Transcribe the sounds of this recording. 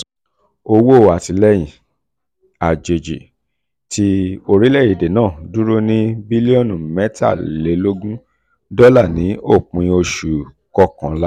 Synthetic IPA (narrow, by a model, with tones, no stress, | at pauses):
o˧wo˦˨wa˨ti˧˦lɛ˦j̃ĩ˨ | a˨d͡ʒe˨d͡ʒḭ˨ | tʰi˦o˧ɾi˦lɛ˦˨i˨de˨nãː˦˨du˦ɾu˦nĩ˦bi˦li˦ɔ˦˨nũ˨mɛ˦ta̰˦˨le˨˦lo˦ɡũ˦ | dɔ˦la˦˨nĩ˨˦o˦˨k͡pũ˨˧ĩ˧o˧ʃu˨ | kɔ˦kã˨˦la˦